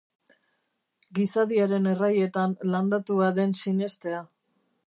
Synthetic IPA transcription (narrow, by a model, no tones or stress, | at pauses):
ɡisaðiaɾe̞ne̞raje̞t̪anland̪at̪uaðe̞nsine̞st̪e̞a